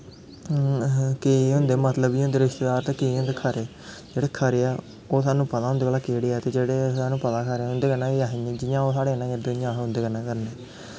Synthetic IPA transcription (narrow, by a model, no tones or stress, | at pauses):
keɦʊ̃nd̪eːmət̪ləbiːɦõnd̪eːɾɪʃt̪eːd̪aːɾt̪eːkeːɦʊ̃nd̪eːkʰəɾeː | d͡ʒeːɽeːkʰəɾeːɛː | oːsaːnũːpət̪aːɦʊ̃nd̪eːkəːlaːkeːɽeːɛːt̪eːd͡ʒeːɽeːsaːnũːpət̪aːkʰəɾeːʊ̃nd̪eːkəɾnãːeaɦãːd͡ʒɪjãːoːsaːɽeːnãːjeːd̪ʊjãːɦɦʊ̃nd̪eːkənaːkəɾnɛː